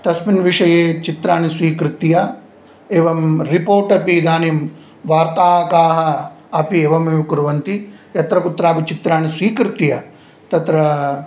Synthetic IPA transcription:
t̪ɐsminʋiʂɐjeːt͡ʃit̪ɾaːnisʋiːkɾɪt̪ijɐ | eːʋɐmɾipoːɾʈɐpid̪aːnim | ʋaːɾt̪aːɦɐkaːɦɐ̆ | ɐpieːʋɐmeːʋukuɾʋɐnt̪ijɐt̪ɾɐkut̪ɾaːpit͡ʃit̪ɾaːnisʋiːkɾɪt̪ijɐ | t̪ɐt̪ɾɐ

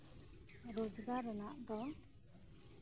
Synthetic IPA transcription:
ɾod͡ʒɡaɾɔnaʔd̪ɔ

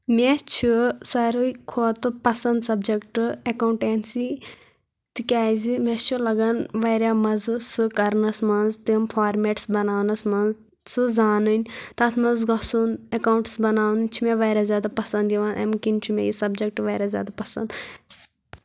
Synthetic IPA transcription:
mʲeɛt͡ʃʰisɐɾuikʰoːt̪ɨpɐsɐnd̪sɐbd͡ʒekʈɨekauɳʈeːnsi | t̪ikʲaːjzimɛst͡ʃʰulɐɡɐnʋɐːɾjaːmɐzsɨkɐɾnɐsmɐnzt̪impʰaːɾmeːʈsbɐnaːnɐsmɐnz | sɨzaːnɨnʲt̪ɐt̪ʰmɐnzɡɐsunɐkaːwɳʈsbɐnaːwnɨnʲt͡ʃʰimeʋɐːɾaːzʲjaːd̪apɐsɐ̃nd̪jiʋaːnʔḛmkint͡ʃʰimʲḛjisɐbd͡ʒɐk̚ʈʋɐːɾaːzʲja̰ːd̪apɐsɐ̰̃nd̪

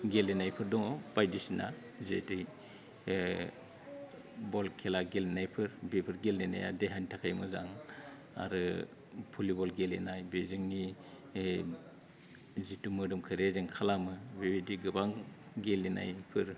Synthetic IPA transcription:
ɡelenajpʰɯɾdɔŋɔb̥ajdisina | zetɯj | bɔlkʰelaɡelinajpʰɯɾbepʰɯɾɡelnena̰ja̰deɦantʰakʰajmɯzaŋ | a̰ɾɯ | pʰulibɔlɡelenajbezɯŋni | zitumɯdɯmkʰɯɾezɯŋkʰalamɯbebidiɡɯbaŋ | ɡelena̰jpʰɯɾ

